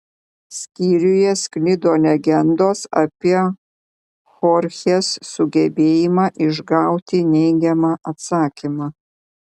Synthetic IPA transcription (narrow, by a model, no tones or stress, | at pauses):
sʲkʲiːɾʲʊjɛsʲklʲɪd̪oːlʲɛɡʲɛnd̪oːsɐ̰pʲiɛ | xɔɾʲxʲeːsːʊɡʲɛbʲeːjɪmɑːʔɪʒɡɑˑʊt̪ʲɪnʲɛɪɡʲɛmɑːʔɐt̪sɑːkʲimɑː